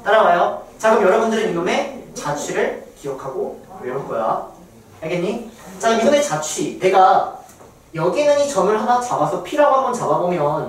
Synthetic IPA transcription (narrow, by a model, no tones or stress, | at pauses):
t͈aɾawajot͡ɕaɡɯmjʌɾʌbundɯɾemiume̞t͡ɕat͡ɕʰwɥiɾɯɭkijʌkʰaɡoweɾoɭk͈ʌja̰ | aɡenɲit͡ɕaɡɯmiɡume̞t͡ɕat͡ɕʰwine̞ɡa | jʌɡinɯɲit͡ɕʌmɯɭɦanat͡ɕabasʰʌpʰiɾoawanɡʌnt͡ɕababomjʌn